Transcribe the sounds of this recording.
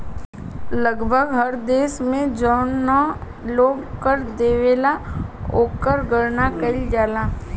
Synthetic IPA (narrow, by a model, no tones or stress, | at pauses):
ləɡbʱəɡɦəɾd̪eːʃmẽd͡ʒɔːnːa | loːɡkəɾd̪eːʋeːlaoːkəɾɡəɾnakɐɪld͡ʒaːlaː